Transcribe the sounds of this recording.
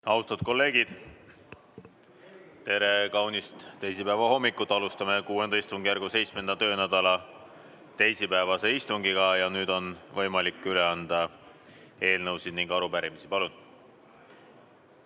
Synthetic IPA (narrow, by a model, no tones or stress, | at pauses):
ɑust̪ɑd̪̥̚ko̞lːe̞ːɡ̥id̪̥ | t̪e̞ɾe̞kɑwnist̪t̪ejsipæevɑho̞mːikːˑut̪ːˑɑlust̪ɑme̞kuːe̞nɑist̪uŋɡ̥ijærɡuse̞jt̪sme̞nd̪̥ɑt̪ø̞ːnæd̪̥ɑlɑ | t̪e̞jsipæevɑse̞ist̪uŋɡiɡ̥ɑjɑnyːd̪o̞nvɤjmɑlikːˑyle̞ɑnd̪̥ɑ | e̞ːlnɤwsid̪niŋɡɑɾupæɾimisipɑlun